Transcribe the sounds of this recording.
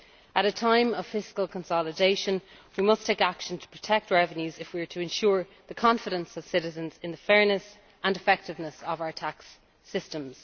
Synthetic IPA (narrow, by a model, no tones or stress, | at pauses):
əɾətʰãɪ̃məv̥fɪskəlˠkʰə̃nsɑlɪdeɪʃə̃n | wimʌstʰeɪkakʃə̃ntʰə̥pʰɹ̥ətʰɛk̚tɹɛvə̃njʉzɪfwiə˞tʰəɛ̃nʃʊːɹ | ðəkʰɑ̃ɱfɪɾə̃nsəv̥sɪɾɪzə̃nzɪ̃nðəfɛɹnəs | ə̃nɪfɛk̚tɪvnəsəvaʊə˞tʰaks | ɪstə̃mz̥